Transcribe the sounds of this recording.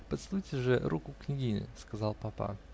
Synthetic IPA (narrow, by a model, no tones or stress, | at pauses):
pət̪slˠujtʲɪʐɨɾʔukʊknʲɪɡʲinʲɪ̰skazɑlˠpapa̰